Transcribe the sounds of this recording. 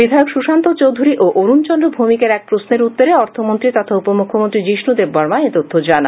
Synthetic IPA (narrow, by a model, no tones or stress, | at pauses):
bid̪ʱaeokʃuʃant̪ot͡ɕowd̪ʱuɾiʔoʔoɾunt͡ɕɔndɾobʱumikeɾɛk̚pɾosneɾut̪ːoɾeɔɾt̪ʰomont̪ɾit̪ɔt̪ʰaupomukʰːomont̪ɾid͡ʑiʃnud̪eɾbbɔɾmaet̪ot̪ʰːod͡ʑana